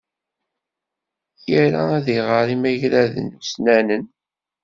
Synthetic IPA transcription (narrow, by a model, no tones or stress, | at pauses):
jəɾa̰æðiʁəɾˤimæʝɾæðə̰nːusnænən